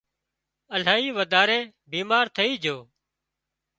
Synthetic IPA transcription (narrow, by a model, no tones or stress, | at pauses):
əl̤aːiːʋəd̪aːɾeː | biːmaːɾt̪ʰəiːd͡ʒʱoː